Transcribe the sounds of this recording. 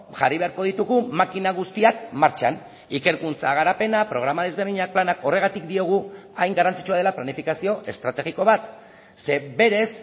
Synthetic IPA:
ʝariβe̞aɾko̞ð̞it̪uɣumakinaɣ̞ust̪iak̚maɾt͡ʃan | ike̞ɾkunt͡saɣ̞aɾape̞napɾo̞ɣɾamað̞e̞zβeɾðiɲak̚planako̞re̞ɣ̞at̪ikd̪io̞ɣ̞uajŋɡarant͡si̥t͡ʃuað̞e̞laplanifikasio̞ʔe̞st̪ɾat̪e̞ɣiko̞βat̪ | se̞be̞ɾe̞s

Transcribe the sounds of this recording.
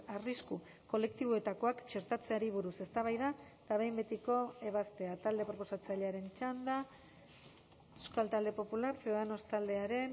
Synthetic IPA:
arisku | ko̞le̞kt̪iβoe̞t̪ako̞akt͡ʃe̞ɾt̪at͡se̞aɾiβ̞uɾuse̞st̪aβajða | t̪aβe̞jmbe̞t̪iko̞e̞β̞ast̪e̞at̪ald̪e̞pɾo̞po̞sat͡saʎeaɾe̞nt͡ʃand̪a | eskalt̪ald̪e̞po̞pulaɾsiuðano̞st̪ald̪e̞aɾe̞n

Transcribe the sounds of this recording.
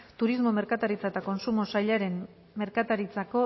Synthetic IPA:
t̪uɾizmo̞me̞ɾkat̪aɾit͡sae̞t̪ako̞nsumo̞sajʎaɾe̞m | me̞ɾkat̪aɾit͡sako̞

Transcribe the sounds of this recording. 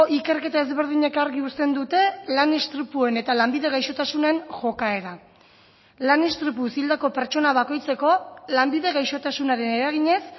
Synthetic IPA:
ʔike̞ɾke̞t̪ae̞zβe̞ɾðiɲe̞kaɾɣiust̪e̞nd̪ut̪e̞lanest̪ɾipue̞ne̞t̪alambiðe̞ɣ̞ajʃo̞t̪asune̞ŋʝo̞kae̞ɾa | lanist̪ɾipusild̪ako̞pe̞ɾt͡ʃo̞naβ̞ako̞jt͡se̞ko̞lambiðe̞ɣ̞ajʃo̞t̪asunaɾe̞ne̞ɾaɣ̞iɲe̞s

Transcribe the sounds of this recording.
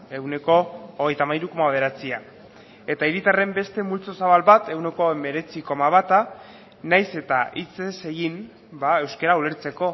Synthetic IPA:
e̞wne̞ko̞ːɣe̞jt̪amajɾuko̞maðe̞ɾat͡sia | e̞t̪aiɾit̪are̞mbe̞st̪e̞mult͡so̞saβalβat̪e̞wne̞ko̞eme̞ɾe̞t͡siko̞maβ̞at̪a | najse̞t̪aʔit͡sese̞ɣin | bae̞wskeɾaule̞ɾt͡se̞ko̞

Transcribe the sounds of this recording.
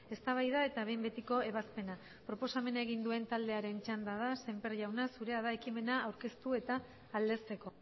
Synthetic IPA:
e̞st̪aβ̞ajð̞ae̞t̪aβe̞jmbe̞t̪iko̞e̞β̞aspe̞na | pɾo̞po̞same̞naeɣ̞ind̪ue̞nt̪ald̪e̞aɾe̞nt͡ʃand̪að̞ase̞mpeɾʝawnasuɾe̞aðae̞kime̞naːwɾke̞st̪ue̞t̪aː | ld̪e̞st͡s̪e̞ko̞

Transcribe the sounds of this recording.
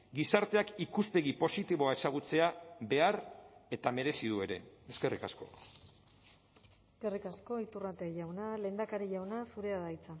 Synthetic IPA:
ɡisaɾt̪e̞akikuspe̞ɣipo̞sit̪iβo̞ae̞saɣ̞ut͡se̞abe̞aɾe̞t̪ame̞ɾe̞sið̞ue̞ɾe̞̰eske̞rika̰sko̞̰ | eske̞rikasko̞it̪urat̪eʝawnale̞ːnd̪akaɾiʝawnasuɾe̞aðajt͡sa

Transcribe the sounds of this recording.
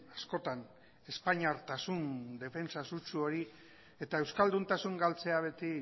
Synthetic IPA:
asko̞t̪an | e̞spaɲaɾt̪asund̪e̞fe̞nt͡sasut͡ʃuo̞ɾi | e̞t̪ae̞wskald̪unt̪asuŋɡalt͡se̞aβ̞e̞t̪i

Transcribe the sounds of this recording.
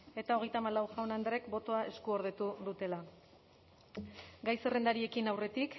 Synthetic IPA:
e̞t̪ao̞ɣe̞jt̪amalawʝaonand̪ɾe̞kbo̞t̪oaʔe̞skuo̞ɾð̞e̞t̪uðut̪e̞la | ɡajse̞re̞nd̪aɾie̞kinawre̞t̪ik

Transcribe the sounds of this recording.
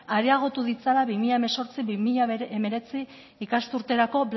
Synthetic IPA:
aɾiaɣ̞o̞t̪uðit͡salaβimiʎae̞meso̞ɾt͡siβimiʎaeme̞ɾe̞t͡siː | kast̪uɾt̪e̞ɾako̞βl

